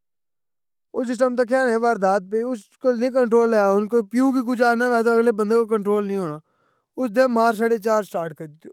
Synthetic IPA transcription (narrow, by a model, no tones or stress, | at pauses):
ʊsɪsʈəmt̪akʰjaːnẽːʋaːɾd̪aːt̪̚peʊs | kolnĩːk̬əɳʈɾoːlːeːjaːʊnkopɪjũːkik̬ʊd͡ʒaːnãːʋɛːt̪oːəɡleːbənd̪eːkokəɳʈɾoːlnĩːɦoːnaː | ʊsd̪eːmaːɾs̬aːɽeːt͡ʃaːɾsʈaːɾʈkəɾd̪ɪt̪ːjoː